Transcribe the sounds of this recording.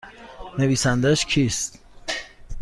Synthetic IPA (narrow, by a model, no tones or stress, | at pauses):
ne̞viːsænd̪æʃcʰiːst̪